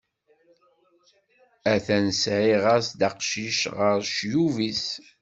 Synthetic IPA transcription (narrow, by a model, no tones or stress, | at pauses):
æθænsʕiʁasd̪ɑqʃiʃʁəɾʃjuvis